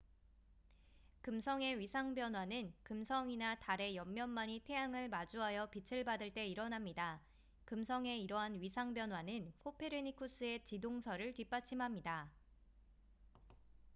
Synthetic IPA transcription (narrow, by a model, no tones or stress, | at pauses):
kɯmsʰʌŋe̞ɥisʰaŋbjʌnɦwanɯnkɯmsʰʌŋinataɾe̞jʌmːjʌnmaɲitʰe̞aŋɯɭmad͡ʑuɦajʌpit͡ɕʰɯɭbadɯɭt͈e̞iɾʌnamɲida | kɯmsʰʌŋe̞iɾʌɦanɥisʰaŋbjʌnɦwanɯnkʰopʰe̞ɾɯɲikʰus͈ɯe̞t͡ɕidoŋsʰʌɾɯɭtɥip͈at͡ɕʰimɦamɲida